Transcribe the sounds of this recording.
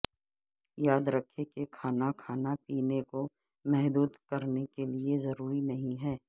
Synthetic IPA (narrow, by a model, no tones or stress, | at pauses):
jaːd̪ɾɐkʰːekekʰaːnakʰaːnapiːneko | mɛɦd̪uːd̪kɐɾnekeliezɐɾuːɾinɐɦĩɦɛː